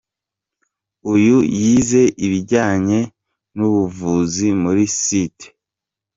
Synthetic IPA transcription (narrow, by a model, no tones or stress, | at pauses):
ujujiːze̞ʔiβiɟaːɲe̞ | nuβuvuːzimuɾisite̥